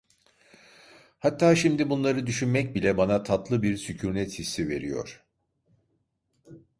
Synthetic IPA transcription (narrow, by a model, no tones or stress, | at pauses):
hat̪ʰːaːʃimd̪ibunlˠaɾɯd̪yʃynmɛcbilʲɛbanat̪ʰat̪lˠɯbiɾsycʰyɾnɛt̪hisːive̞̰ɾijo̞̰ɾ̝̥